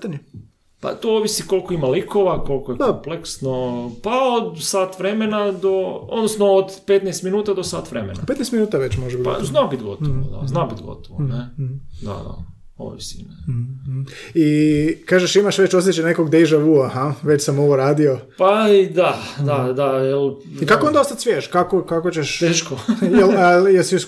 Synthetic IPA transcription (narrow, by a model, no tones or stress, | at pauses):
it̪aɲu | pa̰t̪ooʋisiko̞lkoimalikoʋako̞lˠkojekmpleksnopaod̪saːt̪ʋɾemenad̪o̞o̰d̪nosnoːd̪pet̪nest̪minuːt̪ad̪osaːt̪ʋɾḛmḛnapet̪nest̪minuːt̪aʋet͡ɕmoʒebid̪ɡpa̰znaobit̪ɡo̞̰t̪oʋo̰d̪a̰znaobit̪ɡo̞̰t̪oʋoned̪a̰d̪a̰ | o̰ʋo̰isḭne | ikaːʒeʃimaʃʋe̞t͡ɕoset͡ʃenekoɡd̪ejʒaʋuahaʋet͡ɕsamo̞ʋoɾaːd̪io̞paid̪ad̪ad̪ajel | ikakoond̪aost̪at̪sʋjeːʃkakokakot͡ɕeʃt̪eːʃkojeljelsimis